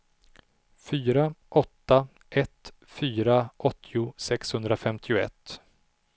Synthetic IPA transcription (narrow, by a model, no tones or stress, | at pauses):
fyːɾaʔɔt̪ːa | ʔɛt̪ | fyːɾaʔɔt̪ʰːɪʊsɛkshɵnd̪ɾafɛmt̪ʰɪʊɛ̰t̪ː